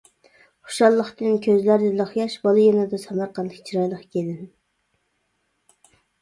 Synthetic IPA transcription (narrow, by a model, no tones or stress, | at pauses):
χʊ̥ʃɑlˠːəχt̪ɨnkʲʰøzlæɾd̪ɛlˠəχjɑʃbɑlˠjɑnɨd̪ɑsɛmɑɾqʰɑnd̪ˠəkt͡ʃʰiɾɑjlˠəχkʲʰed̪ɪn